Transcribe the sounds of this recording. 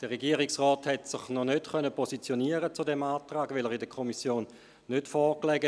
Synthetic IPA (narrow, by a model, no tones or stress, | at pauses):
d̥əʁeɡiəʁɪksʁɔːthɛtsɪχnɔnøtχœnəpʰosit͡sjoniəʁət͡sudɛmaːtʁaːɡʋelɛʁidəkʰomisjoːnː | øtfɔːklɛɡə